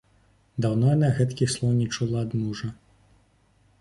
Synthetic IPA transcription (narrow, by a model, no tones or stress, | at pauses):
d̪awnɔnaɣɛt̪kʲixslˠɔwnʲit͡ʃulˠɑd̪muʒɐ